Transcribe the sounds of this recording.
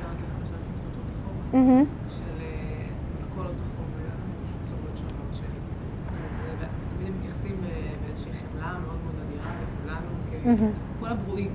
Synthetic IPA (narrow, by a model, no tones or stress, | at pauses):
zamat̪leχameʃafimsot̪ot̪oχomm̩ɦ̩ | ʃele | lkolot̪oχoma | ʃusobʃlamot̪ʃeli | az | t̪amid̪emːet̪jaχsimebeezeʃiiχemlameod̪meod̪aniʁalekulanukeɦ̩ | kolabʁuʔim